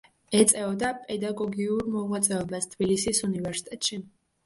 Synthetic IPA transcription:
ɛt̪sʼɛɔd̪apʼɛd̪aɡɔɡiuɾmɔvlat̪sʼɛɔbast̪ʰb̥ilisisunivɛɾsi̥t̪ʼɛt̪ʼʃi

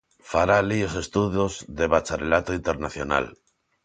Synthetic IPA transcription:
faɾaliose̞st̪uðjozðe̞βat͡ʃaɾrelat̪oint̪e̞ɾnaθjo̞na̰l

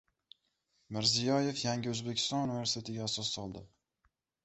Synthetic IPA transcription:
mɪɾzijɒje̞fjaŋɡʲɪɵzbe̞kʲʰɪ̥st̪ɒnunɪve̞ɾsɪ̥t̪ʰe̞t̪ʰɪɡʲaːsɒsːɒlˠd̪ɪ

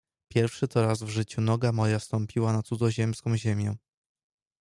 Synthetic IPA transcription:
pʲjɛɾfʂɘt̪ɔɾazvʐɘt͡ɕunɔɡamɔjafst̪ɔmpʲiwanat̪sud̪zɔʑɛmskɔ̃w̃ʑemʲjɛ

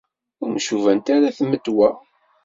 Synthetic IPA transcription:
ʊɾmʃuvænt̪aɾaθməd̪ːwæ

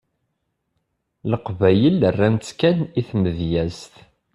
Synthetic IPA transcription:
ləqvæjələrːænt͡skæniθməðjæzt̪

